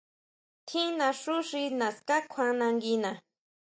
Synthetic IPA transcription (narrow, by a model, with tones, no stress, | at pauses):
t̪ʰi˦na˧ʂʊ˦ʂina˨ska˦kʷʰwa˦na˧ŋɡi˦na˨